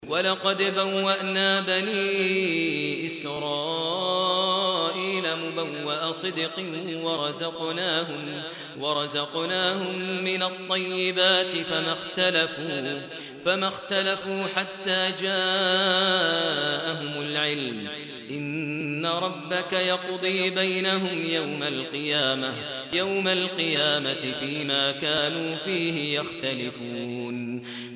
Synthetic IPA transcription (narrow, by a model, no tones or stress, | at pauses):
walɑqɑd̪bawːaʔnaːbani | ʔɪs | ɾˤɑː | ʔiːlamʊbawːaʔasˤɨd̪qɨwɑɾˤɑzɑqnaːɦʊm | wɑɾˤɑzɑqnaːhʊmːɪnat̪ˤːɑjːɪbaːt̪ɪfamaxt̪alafuː | famaxt̪alafuːħat̪ːaːd͡ʒaː | ʔaɦʊmʊlʕɪlm | ʔɪnːaɾˤɑbːakajɑqd̪ˤiːbajnaɦʊmjawmalqɨjaːma | jawmalqɨjaːmat̪ɪfiːmaːkaːnuːfiːhɪjaxt̪alɪfuːn